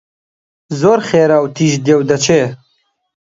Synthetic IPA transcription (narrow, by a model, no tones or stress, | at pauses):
zoːɾχeːɾaːwt̪ʰiːʒd̪jewd̪ɐt͡ʃʰeː